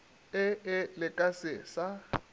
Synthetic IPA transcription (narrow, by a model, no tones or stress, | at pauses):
ɪɪlɪkʼasɪsa